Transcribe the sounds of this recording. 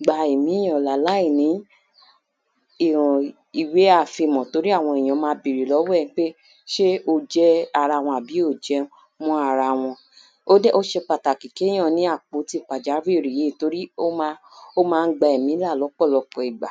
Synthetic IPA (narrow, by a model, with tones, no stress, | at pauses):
ɡ͡ba˧i˨mĩ˨˦j̃ɔ̃˧˨la˨la˨˦i˦˨nĩ˨˦ | i˦˨ɾũ˨ | i˨we˨˦a˦˨fi˧˨mɔ̃˨to˨˦ɾi˦a˦˨w̃ɔ̃˧i˨j̃ɔ̃˨˧˦mãː˧˦bi˨ɾi˨lɔ˨˦wɛ˦˨nĩ˨˦k͡pe˦ | ʃe˦o˧d͡ʒɛ˦a˧ɾa˧w̃ɔ̃˧˨a˨bi˨˦o˦˨d͡ʒɛ˦ | mũ˦a˧ɾa˧w̃ɔ̃˧ | o˦dɛ˦ʔo˦ʃe˧k͡pa˨ta˨ki˨kẽ˨˦ã˦˨nĩ˨˦a˦˨k͡po˨˦ti˦˨k͡pa˨d͡ʒa˨˦ɾi˦˨ɾi˨je˨˦˨to˨˧ɾi˦o˦a˦ | o˦mãː˦˧˦ɡ͡ba˧i˨mĩ˨˦la˦˨lɔ˨˦k͡pɔ˦˨lɔ˧k͡pɔ˧i˨ɡ͡ba˨